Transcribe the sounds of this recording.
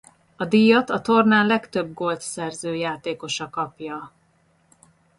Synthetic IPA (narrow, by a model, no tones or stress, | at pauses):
ɒd̪ijɒt̪ɒt̪o̞rnaːnlɛkt̪ø̞b̚ɡo̞lt̪sɛrzøːjaːt̪eːko̞ʃɒkɒpjɒ